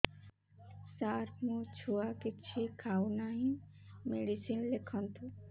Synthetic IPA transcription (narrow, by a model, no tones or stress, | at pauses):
saːɾpmũt͡ʃʰuakɪt͡ʃʰekʰaːwnaɦĩmeɽisiːnlekʰənt̪ʰu